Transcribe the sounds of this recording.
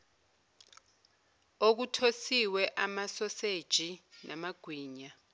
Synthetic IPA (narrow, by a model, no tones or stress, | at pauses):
ok̬utʰosiwɛʔamasɔsed̥ʒ̥ʱinʔamaɡ̥ʱwiːɲa